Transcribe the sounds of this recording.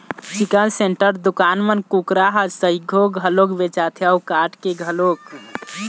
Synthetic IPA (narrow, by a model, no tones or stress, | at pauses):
sikəlseɳʈəɾd̪ukanmənkukɾaɦəd͡ʒsəiɡʱoɡʱəlokbet͡ʃat̪ʰejaukaʈkeɡʱəlok